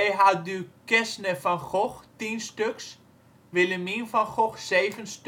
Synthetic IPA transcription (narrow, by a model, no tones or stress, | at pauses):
ɛjɦadykɛsnəfɔnχɔxtinstøks | ʋɪləminfɔnxɔxseːvənst